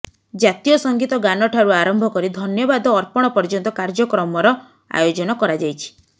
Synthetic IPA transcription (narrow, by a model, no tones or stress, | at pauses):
d͡ʒat̪ijɔsɔŋɡit̪ɔɡanɔʈʰaɾuaɾɔmbʱɔkɔɾid̪ʱɔnjɔbad̪ɔːɾpɔɽ̃ɔpɔɾd͡ʒɔnt̪ɔkaɾd͡ʒɔkɾɔmɔɾɔ | a̰jod͡ʒɔnɔkɔɾad͡ʒajt͡ʃʰi̥